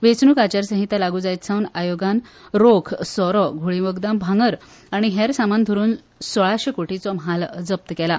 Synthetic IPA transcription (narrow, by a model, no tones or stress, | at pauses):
ʋet͡snuːkat͡ɕaɾsə̃ɦit̪jalaɡuːd͡zajt̪sʰãwnajoɡanɾokʰsɔɾɔɡʱuɭiʋəɡd̪ambʱãŋɡəɾ | aɽ̃iɦeɾsamand̪ʱoɾuːn | sɔɭaɕekoʈit͡sɔmɦald͡zəp̚t̪kɛla